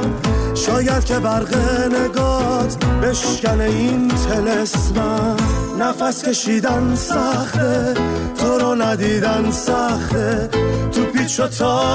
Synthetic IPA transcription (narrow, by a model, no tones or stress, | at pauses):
ʃɒːjæd̪̥̚cʰʲe̞bæɾɣeneɡɒːt̪ʰbe̞ʃkæneint̪ʰe̞lesmæː | æfæskʰe̞ʃiːd̪ænsæχt̪et̪ʰoɾɔnæd̪iːd̪ænsæxt̪et̪ʰupiːt͡ʃʰot̪ʰɒ